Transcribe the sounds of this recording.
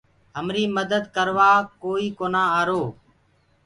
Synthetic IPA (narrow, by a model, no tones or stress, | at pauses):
ɦəmɾiːməd̪əd̪kəɾʋaːkoːiːkoːnãːaːɾoː